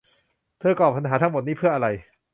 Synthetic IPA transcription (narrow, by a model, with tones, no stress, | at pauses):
t̪ʰɯ˧˥˩kɔː˨˩p̚ʰːa˧nɦaː˩˦t̪ʰa˦˥ŋmo˨˩t̪̚niː˦˥pʰɯ˥˩ɐʔa˧ɾa˧j